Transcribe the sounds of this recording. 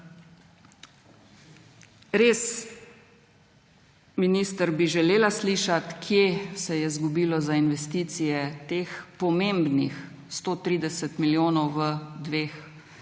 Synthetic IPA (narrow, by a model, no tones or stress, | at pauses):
ɾes | miniːst̪əɾbiʒɛleːlasliːʃat̪kʰjesɛjɛzɡubiːlɔzainʋɛst̪iːt̪sijɛt̪eːxpɔmembnix | st̪oːt̪ɾiːd̪ɛsɛt̪miljoːnɔwʋəd̪ʋeːx